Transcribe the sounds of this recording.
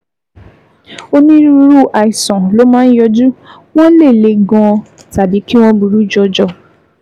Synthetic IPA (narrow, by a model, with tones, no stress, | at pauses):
o˦nĩ˦ɾu˧˦ɾu˦ʔa˨i˨sɔ̃˨lo˨˦mãː˦n̩˦jɔ˧d͡ʒu˦ | w̃ɔ̃˦le˦˨le˨˧ɡɔ̃˧ | ta˨bi˨˦ki˦w̃ɔ̃˦bu˧ɾu˦d͡ʒɔ˧d͡ʒɔ˧˨